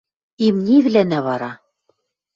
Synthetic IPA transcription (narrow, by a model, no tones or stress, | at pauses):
imnʲivlænæβɑɾɑ